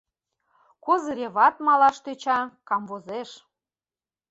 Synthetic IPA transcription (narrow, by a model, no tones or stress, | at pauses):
kozəɾʲeβɑt̪mɑlɑʃt̪øt͡ɕɑkɑmvozeʃ